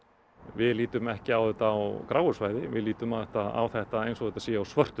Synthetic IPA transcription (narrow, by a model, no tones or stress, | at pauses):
vɪðliːt̪ʏmɛhcɪawðɛht̪aːwkɾaːwʏ̥svaːjðɪvɪ̰ðliːt̪ʏmawθɛht̪aa̰wθɛht̪aejnsɔðɛt̪asiːjaawsvœr̥t̪ʏ